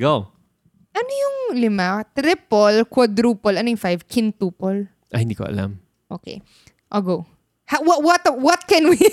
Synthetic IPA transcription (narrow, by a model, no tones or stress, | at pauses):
ɡow | ʔɐnojʊŋlɪmat̪ɾɪpolkwɐd̪ɾuːpolʔɐnojʊŋfajvkʰɪnt̪uːpol | ʔɐhɪnd̪iːkoʔɐ̰la̰m | ʔo̰ːkɛ̰ | ʔoɡow | hawɐwɐt̪wɔt̪̚kɛnwi